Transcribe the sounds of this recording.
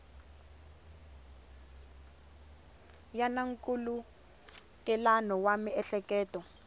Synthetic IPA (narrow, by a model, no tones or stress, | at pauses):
janaŋkʼulu | kɛlanɔwamiɛɬɛkɛːtɔ